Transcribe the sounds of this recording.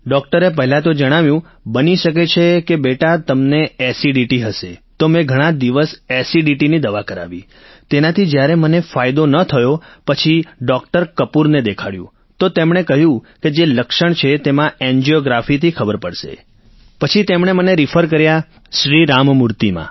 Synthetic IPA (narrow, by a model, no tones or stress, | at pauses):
ɖɔk̚ʈəɾep̬əɦɛlat̪od͡ʒəɽ̃aʋjũ | bəniʃək̬et͡ʃʰekebeʈat̪əmneesiɖiʈiɦəʃet̪omẽɡʱəɽ̃ãd̪iʋəsesiɖiʈinid̪əʋakəɾa̰ʋi | t̪enat̪ʰid͡ʒjaɾemənefajd̪onət̪ʰəjopət͡ʃʰiɖɔk̚ʈəɾkəpuɾned̪ekʰaɽjṵ̃ | t̪ot̪emɽ̃ekəɦjũked͡ʒeləkʃəɳt͡ʃʰet̪emãeɲd͡ʒioɡɾafit̪ʰikʰəbəɾpəɽʃḛ | pət͡ʃʰit̪emɳ̃eməneɾifʰəɾk̬əɾja | ʃɾiɾammuɾt̪imã̰